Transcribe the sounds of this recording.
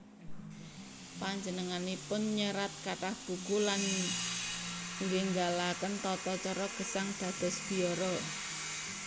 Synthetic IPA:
paɲd͡ʒənəŋanipʊnɲəɾat̪̚kaʈahb̥ṳɡulan | ŋɡeŋɡalakənt̪ɔt̪ɔt͡ʃɔɾɔɡ̥ə̤saŋd̪̥a̤d̪̥ɔ̤sb̥i̤ɔɾɔ

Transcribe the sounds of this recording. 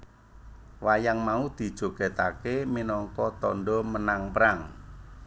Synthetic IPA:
wajaŋmaud̪̥i̤d̥ʒ̥o̤ɡ̥ɛ̤t̪akeminɔŋkɔt̪ɔnɖɔmənaŋpəɾaŋ

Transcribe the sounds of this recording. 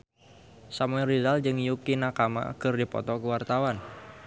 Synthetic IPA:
samuɛrizald͡ʒɨŋjukinakama̰kɨrdipɔ̰t̪ɔkəwart̪awan

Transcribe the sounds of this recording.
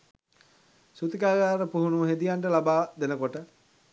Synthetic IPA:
sut̪ikaːɡaːɾəpuɦunuɦed̪ijaɳʈəlabaːd̪enəkoʈə

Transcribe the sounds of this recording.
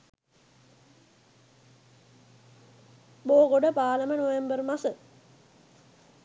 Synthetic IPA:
boːkoɖəpaːləmənoʋembərmasə

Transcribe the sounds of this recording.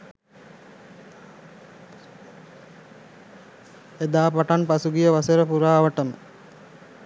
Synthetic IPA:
ed̪aːpaʈanpasuɡijəʋasəɾəpuɾaːʋəʈəmə̰

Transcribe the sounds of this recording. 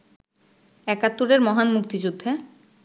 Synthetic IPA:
ɛkat̪ːuɾeɾmɔɦanmuk̚t̪id͡ʑud̪ʱːe

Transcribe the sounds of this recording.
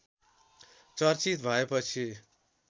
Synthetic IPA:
t͡sʌrt͡sit̪̚bʱʌepʌt͡sʰi

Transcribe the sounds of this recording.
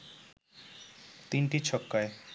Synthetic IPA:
t̪inʈit͡ɕʰɔkːae

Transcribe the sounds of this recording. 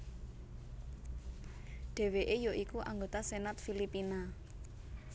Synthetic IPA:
ɖ̥e̤weʔejoʔikuʔaŋɡot̪asenat̪̚filipina

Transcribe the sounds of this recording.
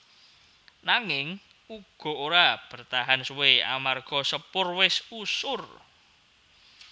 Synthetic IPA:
naŋɪŋ | uɡ̥ɔ̤oɾab̥ərt̪aɦanswea̰marɡ̥ɔ̤səpʊrwɪsusʊr

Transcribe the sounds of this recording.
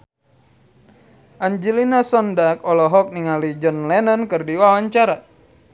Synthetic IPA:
ʔaɲd͡ʒilinasɔndakɔlɔɦɔk̚niŋalid͡ʒɔnlɛnənkɨrdiwawaɲt͡ʃaɾa

